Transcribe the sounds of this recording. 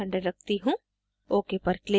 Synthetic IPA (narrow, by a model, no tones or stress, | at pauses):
ə̃ɳɖəɾɐk̚t̪iɦũː | oːkepɐɾkle